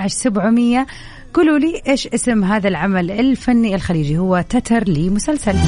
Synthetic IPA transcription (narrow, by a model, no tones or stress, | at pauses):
ʕɪʃsabʕmɪjːa | ɡ̥uːluːliːʔeːʃʔɪsɪmɦaːðalʕamalɪlfanːiɪlxaliːd͡ʒihʊwːat̪at̪ɑɾˤliːmʊsalsal